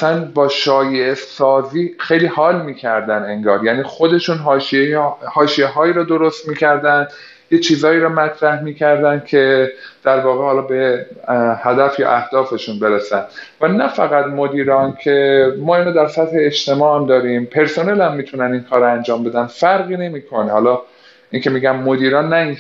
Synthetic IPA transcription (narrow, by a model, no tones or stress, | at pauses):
æsænbɒːʃɒːjesɒːziːxe̞jliːhɒːlmiːcʰæɾd̪æneŋɡɒːɾjæniːxo̞d̪e̞ʃunɦɒːʃiehɒːʃijeɦɒːiːɾɒːd̪o̞ɾost̪miːcʰæɾd̪ænd̪ | jet͡ʃʰiːzɒːjiːɾɒːmæt̪ʰɾæhmiːcʰæɾd̪ænd̪̥̚cʰe̞d̪̥æɾvɒːɣehɒːlɒːbe̞ | hæd̪æfjɒ̰ʔæhd̪̥ɒːfe̞ʃunbe̞ɾesænd̪vænæfæɣæd̪mo̞d̪iːɾɒːncʰe̞mɒːiːnoːd̪æɾsæt̪he̞ːʃt̪e̞mɒːhæmd̪ɒːɾimpʰe̞ɾso̞ne̞lhæmːiːt̪ʰunæninkʰɒːɾænd͡ʒɒːmbe̞d̪ænfæɾɣiːne̞miːkʰo̞nehɒːlɒː | ʔiŋcʰe̞miːɡæmːod̪iːɾɒːnːæin